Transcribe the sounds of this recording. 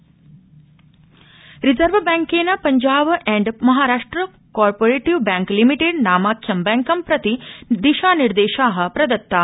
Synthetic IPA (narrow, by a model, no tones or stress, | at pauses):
ɾizɐɾʋbaːŋkeːnɐpɐɲd͡ʒaːbɛɳɖmɐɦaːɾaːʂʈɾɐ | kaːɾpoɾeːʈiʋbãːŋklimiʈeɖnaːmaːkʰjɐmbɛːŋkɐmpɾɐt̪id̪iʃaːniɾd̪eːʃaːɦɐ̆pɾɐd̪ɐt̪ːaː